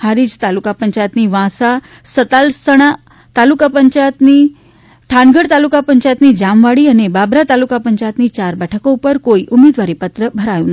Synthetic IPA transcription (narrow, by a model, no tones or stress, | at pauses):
haɾid͡ʒt̪alukapəɲt͡ʃajət̪niʋãsa | sət̪alsəɽ̃a | t̪alukapəɲt͡ʃajət̪ni | t̪ʰãnɡəɽt̪alukapəɲt͡ʃajət̪nid͡ʒamʋaɽiənebabɾat̪alukapəɲt͡ʃajət̪nit͡ʃaɾbɛʈʰəkoupəɾkoiʔumed̪ʋaɾipət̪ɾəbʱəɾajũn